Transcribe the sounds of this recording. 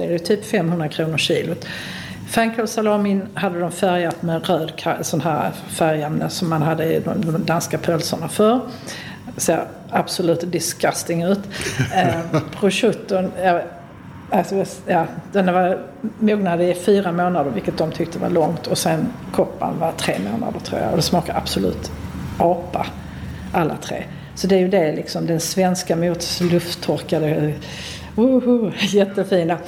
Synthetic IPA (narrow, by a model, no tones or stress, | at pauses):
dɛdɛjɵt̪ʰyːpfɛmːhɵnd̪ɾakʰɾuːnəɾɕiːlʊ | fɾaŋkasalɑːmɪnhad̪ːəd̪ɔmfæɾjat̪mɛɾøːd̪kʰasɔnhæːɾ | fæɾjɛmnə̰sɔmːanɦad̪ːəɪd̪ɔmd̪ɔmd̪anskapʰœlsəɳafœɾ | seːɾ | ab̥sʊlʉ̟ːt̪d̪ɪskast̪ɪŋʉ̟ːt̪ | pʰɾʊʂɵt̪ːʊnja | alsɔajɑːd̪̥ɛnvaɾ | muːɡnad̪əɪfyːɾamoːnad̪əɾvɪlkːət̪̚d̪ɔmt̪ʰʏk̚t̪əəva̰ɭɔŋt̪ʰɔsɛnkʰɔpːa̰nvat̪ʰɾeːmo̰ːna̰d̪əʈ̪ʰɾṵːɾja̰ɔd̪ɛsmɑːkaɾa̰b̥sʊlʉ̟̰ːt̪ʔɑːpa̰ | ʔalːa̰t̪ʰɾḛː | sɔd̪ɛæɾjɵd̪ɛlɪksɔmd̪ɛnsvɛnskamuːt̪slɵft̪ʰːɔɾkad̪ə | uhjɛt̪ːəfiːna